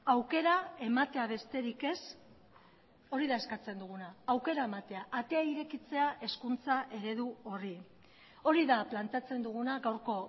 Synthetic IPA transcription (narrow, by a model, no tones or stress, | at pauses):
awke̞ɾae̞mat̪e̞aβ̞e̞st̪e̞ɾike̞s | o̞ɾiðae̞skat͡se̞nd̪uɣ̞unaːwke̞ɾae̞mat̪e̞aʔat̪e̞aiɾe̞kit͡se̞aʔe̞skunt͡saʔe̞ɾe̞ðuo̞ri | o̞ɾiðaplant̪eat͡se̞nd̪uɣ̞unaɣawɾko̞